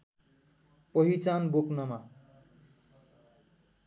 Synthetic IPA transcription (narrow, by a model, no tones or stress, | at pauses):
pʌɦit͡sanboknʌma